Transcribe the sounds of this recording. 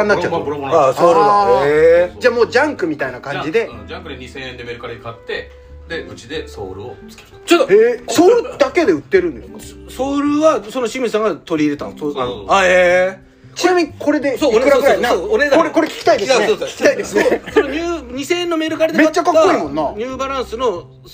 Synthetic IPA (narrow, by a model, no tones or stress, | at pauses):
ãnːatt͡ɕat̪ːasoːɾɯed͡ʑaːmo̞ːd͡ʑãŋkɯ̟mʲit̪ainakãɲd͡ʑid̪e̞akɯeisẽẽnd̪emeːɾɯkaɾaikat̪ːe̞ | d̪eɯ̟t͡ɕid̪eso̰ːɾɯ̰ot͡sɨ̥ke | ot̪oesoːɾɯd̪ake̞d̪e̞ɯ̟t̪ːe̞ɾɯ̟̃nd̪essoːɾɯ̟βaso̞no̞ɕimʲisãŋɡat̪o̞ɾʲiːɾe̞t̪ãnoae | t͡ɕinamʲiɲ̟ikʰo̞ɾe̞d̪e̞sokɯɾakɯɾanãooekoɾekoɾe̞kʲi̥kʲi̥t̪aid̪eeokʲi̥kʲi̥t̪aid̪essonoɲʲɨːɲ̟isẽẽnːome̞ːɾɯkaɾad̪met͡ɕːakakkːoimõ̞nːaɲ̟ɨːbaɾãɰ̃sɨno̞